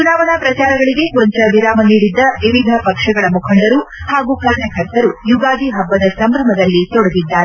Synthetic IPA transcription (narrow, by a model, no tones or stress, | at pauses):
t͡ʃunaːʋɐɳapɾɐt͡ʃaːɾɐɡɐɭiɡe̞koɲt͡ʃɐʋiɾaːmɐniːɽid̪ːɐʋiʋid̪ʱɐpɐkʂɐɡɐɭɐmukʰɐɳɖɐɾuhaːɡuːkʰɐɾnɐkʰɐɾt̪ɐɾujuɡaːɡ̪iɦɐbːɐd̪ɐsɐmbɾɐmɐd̪ɐlːit̪ɔɽɐɡid̪ːaːɾe